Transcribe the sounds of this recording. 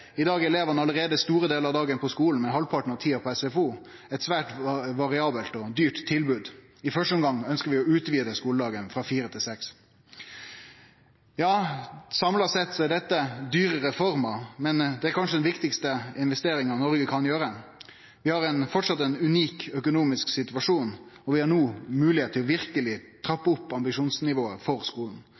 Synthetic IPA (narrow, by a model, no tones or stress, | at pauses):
ɪd̪ɑːɡɛleːʋəɑnɑləɾeːd̪əst̪uːɾəd̪eːlɾɑʋd̪ɑːɡənpʰɔskuːln̩mɛɦɔlpʰɑʈɳ̩ɑt̪ʰiːɑpɔɛsɛfuː | ɛɪt̪sʋæːʈʋɑɾɪɑːbəlt̪ɔd̪yːʈt̪ʰːɪlbʉːd̪ | ɪfœʂʈəɔmɡɑŋœnskəɾʋɪɔʉːt̪ʋiːd̪əskuːləd̪ɑːɡənfʁɑfiːɾət̪ʰɪlsɛks | jɑːsɑmlɑsɛt̪ːsɔæɖɛt̪ːəd̪yːɾəɾɛfɔɾməmɛnd̪ɛæɾkʰɑnʂəd̪ɛnʋɪkt̪ɪkst̪əɪnʋɛst̪eːɾɪŋənɔɾɡəkʰɑnjøːɾə | ʋɪhɑɾɛnfɔʈʂɑt̪ːɛnʉniːkœkʊnuːmɪsksɪt̪ʉʋɑʂuːnɔʋɪhɑɳuːmʉːlɪheːt̪ʰːɪlɔʋɪɾkəlɪt̪ʰɾɑpːəʊpːɑmbɪʂuːnsnɪʋoːəfɔɾskuːln̩